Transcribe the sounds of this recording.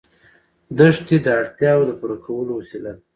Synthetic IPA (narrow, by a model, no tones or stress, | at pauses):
d̪əʂt̪id̪əaɽt̪jɑwod̪əpuɾakʰawəlowasila